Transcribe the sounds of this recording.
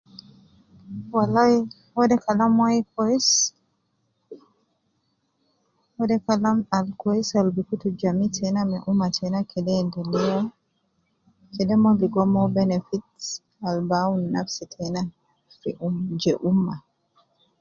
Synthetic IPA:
walaj | wɔdɛkalamwajkɔis | wɔdɛkalamalkɔisalbikutud͡ʒamitʰɛnamɛʔumːatʰɛnakʰɛdɛndɛlija | kɛdɛmɔbiɡɔmɔbɛnɛfit | albawunːafsitʰɛna | fiumd͡ʒɛʔumːa

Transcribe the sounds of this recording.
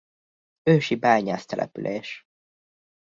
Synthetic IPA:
øːʃibɛːɲaːst̪ɛlʔɛ̰pylʔeːʃ

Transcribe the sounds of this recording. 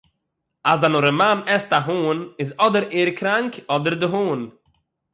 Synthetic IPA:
asdanʊɾəmanɛstaɦuːnɪzɔdəɾeːɾkʰɾaŋkɔdəɾdəɦuːn

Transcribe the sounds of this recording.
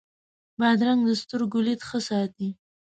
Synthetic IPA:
bɑd̪ɾaŋɡd̪əst̪ʊɾɡʊlet̪xəsɑt̪i

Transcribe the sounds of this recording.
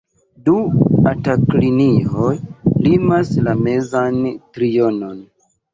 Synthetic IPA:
duatakliniojlimaslame̞zantɾijono̞n

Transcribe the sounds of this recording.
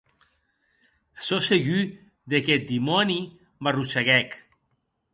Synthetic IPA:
soseɣy | ðekɛt̪̚d̪imɔni | marusaɣɛk

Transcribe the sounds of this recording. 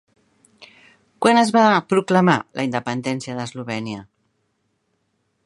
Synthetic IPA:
kwanəzβapɾukləmalʔə̰ind̪əpənd̪ɛnsiəðəzluβɛniə

